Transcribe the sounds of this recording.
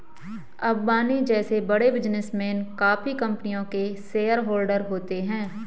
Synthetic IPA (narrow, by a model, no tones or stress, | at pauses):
ɐbbaːnid͡ʒɛːsebɐɽebɪd͡ʒnɪsmeːnkaːfikɐ̃mpnijõkeseːəɾɦoːlɖəɾɦoːt̪eɦɛ̃ː